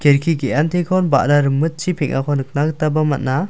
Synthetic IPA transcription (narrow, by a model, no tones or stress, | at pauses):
keɾkʰikeantʰikʰɔnba̰daɾɯmɯt̚t͡ʃʰipʰeŋʔakʰɔnɯk̚naɡtabɐmɐt̚na